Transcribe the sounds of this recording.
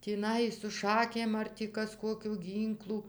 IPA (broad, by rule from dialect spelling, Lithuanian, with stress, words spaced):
tʲiːˈnɐɪ sʊ ˈʃɑːkʲeːm ɐr tʲiː ˈkɐs ˈkoːkʲʊ ˈɡʲiːŋklˠʊ